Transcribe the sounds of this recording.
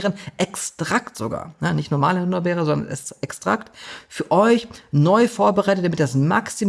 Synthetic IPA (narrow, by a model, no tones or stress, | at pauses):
ʁənʔɛkstʁ̥aktz̥oɡa̰ːɐjanɪçtnɔɐmaːlʊnɐbɛːʁəzɔndɐ̰nɛ̰ɛkstʁ̥a̰ktfyːɐʔɔʏçnɔʏfoːɐbəʁaɪtətd̥amɪt̚dasmaksi